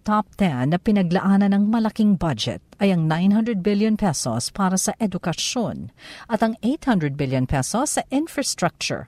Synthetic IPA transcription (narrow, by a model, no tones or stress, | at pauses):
t̪ap̚t̪ɛnːɐpɪnɐɡ̚lɐʔaːnɐnɐŋmɐlɐkiŋbɐd͡ʒɛ̰t̪̚ɐjɐŋnãjnɦɐ̃nd̪ɹɛd̪̚bɪljõnpɛso̰spaːɾɐsɐʔɛd̪ʊkɐʃjonʔɐt̪ɐŋejt̪hɐ̃nd̪ɹɛd̪̚bɪljonpɛsosːɐʔɪ̃nfɹɐst̪ɹak̚t͡ʃʊ̰ɹ